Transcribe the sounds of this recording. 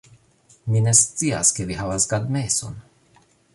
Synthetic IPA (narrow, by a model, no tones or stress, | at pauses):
minest͡s̪ia̰skevihavasɡad̪meso̰n